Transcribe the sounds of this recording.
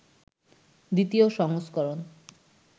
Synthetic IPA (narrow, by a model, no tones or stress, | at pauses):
d̪it̪ioʃɔŋoskɔɾon